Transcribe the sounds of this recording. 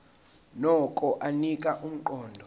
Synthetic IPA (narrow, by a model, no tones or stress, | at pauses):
nɔkʼɔʔanikʼaʔum̩ǃɔːndʱɔ